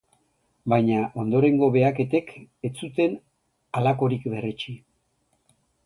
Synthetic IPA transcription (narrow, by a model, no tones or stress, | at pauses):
bajɲaʔo̞nd̪o̞ɾe̞ŋɡo̞βe̞ake̞t̪e̞ke̞t͡sut̪e̞n | alako̞ɾikβe̞ret͡ʃi